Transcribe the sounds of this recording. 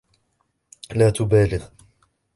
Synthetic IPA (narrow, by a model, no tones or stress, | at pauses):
laːt̪ʊbaːlɪð